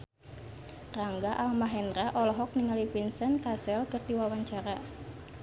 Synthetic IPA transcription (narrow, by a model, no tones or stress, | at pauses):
raŋɡaʔalmaɦɛnraʔɔlɔɦɔk̚niŋalifinsənkasɛlkɨrd̪iwawaɲt͡ʃaɾa